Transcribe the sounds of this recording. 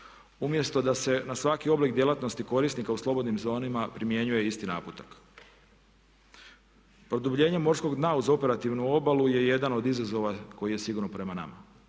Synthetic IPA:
umje̞st̪o̞d̪ase̞nasʋakio̞blikd̪je̞lˠat̪nost̪iko̞ɾisnikauslˠo̞bo̞d̪nimzo̞ːnimapɾimje̞ɲuje̞ist̪inaːput̪ak | pɾo̞d̪ubʎe̞ːɲe̞mo̞ɾsko̞ɡd̪nauzo̞pe̞ɾat̪iʋnuo̞baluje̞je̞d̪ano̞d̪izazo̞ʋako̞jijesiɡuɾnopɾe̞mana̰ma̰

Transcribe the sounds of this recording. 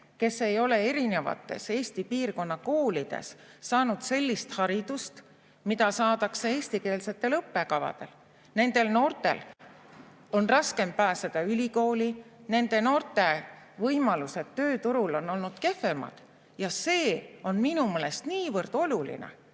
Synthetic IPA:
ke̞sːe̞jo̞le̞eɾine̞vɑ̰t̪ːˑe̞̰se̞ːsʲt̪ipiːrko̞nːɑko̞ːlid̪̥e̞̰sːɑːnud̪̥se̞lʲːist̪hɑɾid̪̥ust̪ | mid̪ɑsɑːd̪̥ɑksee̞ːsʲt̪ike̞ːlse̞t̪ːˑe̞lɤpːe̞kɑvɑ̰d̪̥e̞̰l | ne̞nd̪̥e̞lno̞ːrt̪e̞̰l | o̞nrɑske̞mpæːsed̪̥ɑylʲiko̞ːline̞nd̪̥e̞no̞ːrt̪e̞vɤjmɑluse̞t̪ːø̞ːt̪uɾulo̞nːo̞lnud̪̥ke̞fe̞mɑ̰d̪̥ | jɑse̞ːo̞nminumeːle̞st̪niːvɤrd̪̥o̞lulḭnḛ

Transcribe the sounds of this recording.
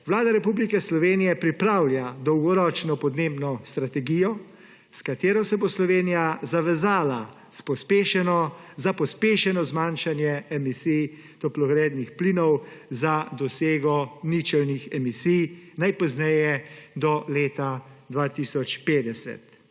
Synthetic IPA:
ʋlaːd̪aɾɛpublikɛslɔʋeːnijɛpɾipɾawljad̪ɔwɡɔɾɔːt͡ʃnɔpɔd̪nebnɔst̪ɾat̪ɛɡijɔ | skat̪eːɾɔsɛboslɔʋeːnijazaʋɛzaːla | spɔspeːʃɛnɔzapɔspeːʃɛnɔzmaːnʃanjɛɛmisij | t̪ɔplɔɡɾeːd̪nixplinɔwzad̪ɔseːɡɔnit͡ʃɛlnixɛmisijnajpɔznɛjɛd̪ɔleːt̪ad̪ʋaːt̪isɔt͡ʃpeːd̪ɛsɛ̰t̪

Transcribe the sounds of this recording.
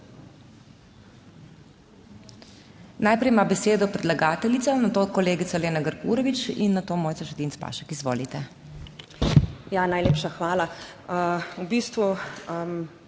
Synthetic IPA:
naːjpɾɛjmabɛseːd̪ɔpɾɛd̪laɡaːt̪ɛlit̪sanat̪oːkɔleːɡit̪saleːnaɡəɾkṵɾɔʋit͡ʃḭnːat̪oːmoːjtsaʃɛt̪iːntspa̰ːʃɛkizʋo̰ːlit̪ɛ | janajleːpʃaxʋaːla | əubiːst̪ʋum

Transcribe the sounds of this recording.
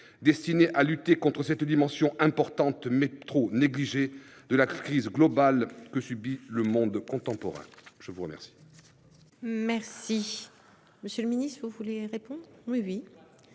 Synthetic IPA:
d̪ɛst̪ineʔalyt̪ekɔ̃t̪χəsɛt̪d̪imɑ̃sjɔ̃ʔɛ̃pɔʁt̪ɑ̃t̪mɛt̪χoneɡliʒe | d̪əlakχizɡlɔbalkəsybiləmɔ̃d̪kɔ̃t̪ɑ̃pɔʁɛ̰̃ʒ̥əvuʁə̰mɛ̰ʁsi̥ | mɛʁsi | məsjələminist̪vuvuleʁepɔ̃d̪ʁwiwi

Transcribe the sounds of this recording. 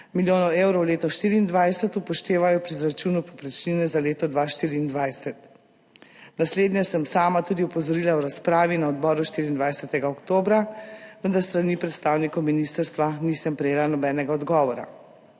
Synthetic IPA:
miljoːnɔwewɾɔwleːt̪ɔʃt̪iːɾiːnd̪ʋajsɛt̪upɔʃt̪eːʋajɔpɾizɾat͡ʃuːnupɔpɾɛt͡ʃninɛzaleːt̪ɔd̪ʋaʃt̪iːɾiːnd̪ʋajsɛt̪ | nasleːd̪njɛsəmsaːmat̪uːd̪iupɔzɔɾilawɾaspɾaːʋinaɔd̪bɔːɾuʃt̪iɾiːnd̪ʋajsɛt̪ɛɡaɔkt̪oːbɾaʋənd̪aɾst̪ɾaniːpɾɛt̪st̪aːwnikɔwminist̪əɾst̪ʋanisəmpɾɛjeːlanɔbɛːnɛɡaɔd̪ɡɔːʋɔɾa̰

